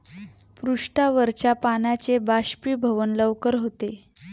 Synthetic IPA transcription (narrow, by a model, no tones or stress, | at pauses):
pɾuʂʈaʋəɾt͡ɕjapanat͡ɕebaɕpiːbʱəʋənləʋkəɾɦot̪e